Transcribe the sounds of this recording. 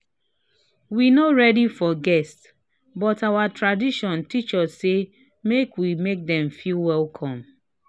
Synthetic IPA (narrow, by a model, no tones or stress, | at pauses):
winoɹɛdifɔɡɛsts | bɔtawatɹadiʃɔ̃ntit͡ʃɔsːe | mekwimek̚dɛ̃mfilwɛlkʰɔ̃m